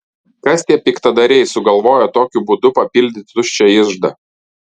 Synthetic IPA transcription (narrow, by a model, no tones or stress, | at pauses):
kɐst̪ʲiɛpʲikt̪ɐd̪ɐɾʲɛɪsʊɡɐlˠʋoːjɛt̪oːkʲʊbʊd̪ʊpɐpʲilʲd̪ʲɪt̪ʲt̪ʊʃʲt͡ʃʲɛɪʒd̪ɐ